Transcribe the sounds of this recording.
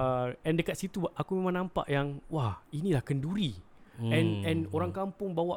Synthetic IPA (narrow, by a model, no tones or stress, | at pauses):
əɛ̃ndəkat̪̚sit̪uʔakumemãŋnampa̰ʔjaŋwahinĩlahkənduɾi | ɛnɛ̃noɾaŋkampʊŋbawa